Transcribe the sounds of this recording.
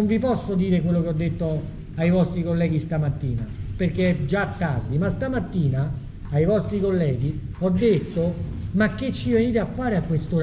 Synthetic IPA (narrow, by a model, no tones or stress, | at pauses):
ɱvipɔsːod̪iːɾekwelːokeɔd̪ːet̪ːo | ajvɔst̪ɾikolːɛːɡist̪amat̪ːiːnaperkːed͡ʒat̪ːard̪imast̪amat̪ːiːnaː | jvɔst̪ɾikolːɛːɡiɔd̪ːet̪ːomakːet͡ʃːiveniːt̪̬eafːaːɾeakwest̪oɾ